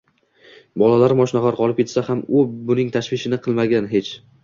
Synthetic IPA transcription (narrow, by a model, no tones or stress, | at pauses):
bɒlalaɾmɒʃnaʁaɾqʰɒlɪp̚kʲʰet̪sahamʊbʊnɪŋt̪ʰaʃvɪʃɪnɪqʰɨlˠmaɡʲanɦe̞t͡ʃ